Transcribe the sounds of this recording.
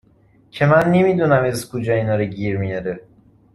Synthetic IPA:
cʰemænːemid̪unæmeskʰod͡ʒɒːinɒːɾeɟiːɾmijɒɾe

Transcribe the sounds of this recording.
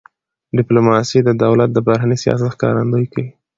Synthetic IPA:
ɖɪplomɑsid̪əd̪awlat̪̚d̪əbaɾanisjɑ̰s̬at̪xkɑ̰ɾand̪ojkawi

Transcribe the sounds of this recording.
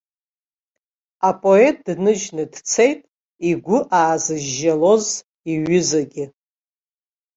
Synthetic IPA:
apʼo̞e̞t̚ʼdnɨʒnɨdt͡sʰe̞jtʼ | iɡʷʊʔaːzɨʒːalo̞z | iɥɪzaɡʲɪ

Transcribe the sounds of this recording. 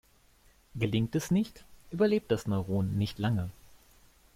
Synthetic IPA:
ɡəlɪŋtɛsnɪçtʔyːbɐleːp̚td̥asnɔʏʁoːnːɪçtlaŋə

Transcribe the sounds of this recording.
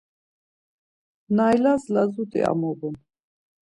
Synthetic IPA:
najlazlazut̪ʼḭa̰mɔbun

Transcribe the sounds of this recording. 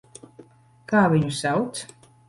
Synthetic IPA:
kaːʋɪɲusaws

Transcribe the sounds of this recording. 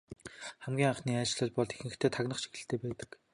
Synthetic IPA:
χæmɡʲiːŋaχniːat͡ɕɮə̆ɮ̚pɔɮt̪exɘ̆ɘ̆xt̪ʰeːt̪ʰaknə̆χʃi̥xɘ̆ɬt̪ʰeːpæːt̪ə̥̆k

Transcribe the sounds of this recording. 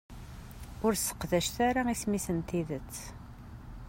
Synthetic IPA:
ʊɾsə̥qðæʃθæɾaismisənt̪iðət͡sː

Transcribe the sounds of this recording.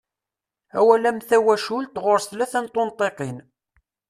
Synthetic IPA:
æ̰wælæmθæwæʃʊlt̪ʁʊɾsθlæθænt̪ˤːont̪ˤeqin

